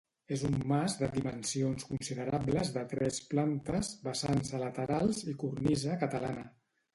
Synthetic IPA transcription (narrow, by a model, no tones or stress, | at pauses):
ezumːazðəðimənsionskunsiðəɾabləzðət̪ɾɛsplant̪əzβəsanzələt̪əɾalˠzikurnizəkət̪əlanə